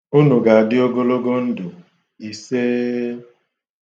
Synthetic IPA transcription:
u˦nu˨ɡa˨a˨dɪ˦o˦ɡo˦lo˦ɡo˦n̩˦dʊ˨ | i˨seː˦

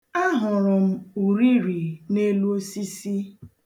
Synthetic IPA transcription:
a˦ɦʊ˨ɾʊ˨m̩˦u˨ɾi˦ɾi˨ne˦lu˦o˦si˦si˦

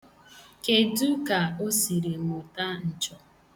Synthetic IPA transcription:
ke˨du˦ka˨o˦si˨ɾe˨ŋʊ˨ta˦n̩˨t͡ʃɔ˨

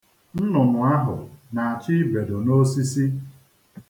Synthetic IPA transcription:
n̩˦nʊ˨nʊ˨a˦ɦʊ̰˨na˨a˨t͡ʃɪ˦be˨do˨no˦si˦si˦

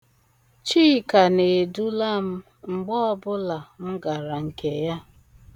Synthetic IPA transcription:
t͡ʃiː˦˨ka˨ne˨du˦la˦m̩˦ | ŋ͡m̩˨ɡ͡bɔ˦ɔ˦bʊ˦la˨m̩˦ɡa˨ɾa˨ŋ̩˨ke˨ja˦

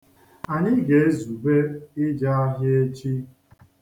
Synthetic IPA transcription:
a˨ɲɪ˦ɡe˨e˦zu˨be˦ɪ˦d͡ʒa˦a˦ɦje˦t͡ʃi˦

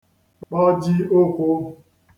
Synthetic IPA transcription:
k͡pɔ˦d͡ʒi˦o˦kʷo˦

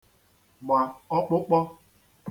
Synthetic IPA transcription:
ma˨ɔ˦k͡pʊ˦k͡pɔ˦

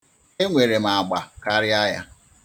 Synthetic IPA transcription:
e˦ŋʷe˨ɾe˨ma˨ɡ͡ba˨ka˦ɾɪ˦a˦ja̰˦

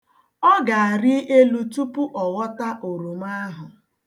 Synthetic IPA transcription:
ɔ˦ɡa˨a˨ɾɪ˦ʔe˦lu˦tu˦pʊ˦ʔɔ˨wɔ˦ta˦ʔo˨ɾu˨m˦a˦ɦʊ˨

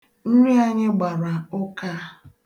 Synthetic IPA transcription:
n̩˦ɾi˦a˦ɲɪ˦ɡ͡ba˨ɾa˨ʊ˦ka˦

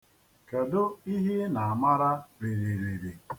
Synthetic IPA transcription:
ke˨dʊ˦i˦ɦi˦na˨a˨ma˦ɾa˦ɾe˨ɾi˨ɾe˨ɾi˨

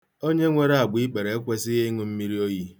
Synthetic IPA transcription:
o˦ɲe˦ŋʷe˦ɾa˨ɡ͡bi˦k͡pe˨ɾe˨e˦kʷe˦sɪ˦ɣe˦ŋʊ˦m̩˦mi˦ɾi˦o˦ji˦

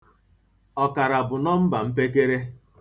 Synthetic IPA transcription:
ɔ˨ka˨ɾa˨bʊ˨nɔ˦m̩˦ba˨m̩˦pe˦k̬e˦ɾe˦

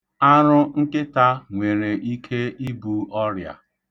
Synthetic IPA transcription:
a˦ɾʊ˦ŋ̩˦kɪ˦ta˦ŋʷe˨ɾe˨ʔi˦kʰe˦i˦bu˨ɔ˦ɾja̰˨

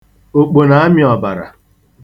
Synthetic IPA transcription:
o˨k͡po˨na˨˦mɪ˦ɔ˨ba˨ɾa̰˨

